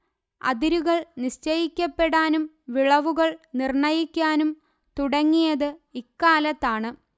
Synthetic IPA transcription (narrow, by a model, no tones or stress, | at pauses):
ɐ̰ðiɾuɣɐɭniɕt͡ɕɐjikʲːɐpːe̞ɽaːnum | ʋiɭɐʋuɣɐɭnirɳɐjikʲːaːnum | t̪uɽɐŋːijɐðɨikːaːlɐt̪ːaːɳɨ